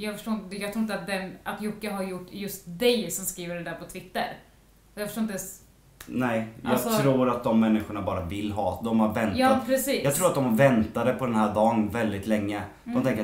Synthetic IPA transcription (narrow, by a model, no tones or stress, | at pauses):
jɑːɡfœ̥ʂʈoːɾɪnt̪əd̪jɑɡt̪ɾuːɪnt̪at̪̚d̪ɛnʔat̪jʊkːaɦaɾjʊʈːjɵst̪d̪ɛjsɔmskɾiːvəɖɛd̪æːɾpʰɔt̪ʰvɪt̪ːə̰ɾ | ɔjɑːɡfœ̥ʂoːnt̪d̪ɛ | nɛɪjɑ̰ːɡst̪ʰɾuːɾat̪̚d̪ɔmːɛnːɪɧʊɳabɑːɾavɪlːɦɑːd̪ɔmhaɾvɛntj̪ɑːapʰɾɛsiːjɑɡ̪ʰɾuːɾat̪̚d̪ɔmhavɛnt̪ad̪əpʰɔd̪ɛnɦæːɖɑːnvɛld̪ɪt̪lɛŋːə | dd̪ɔmt̪ʰɛŋkəɾ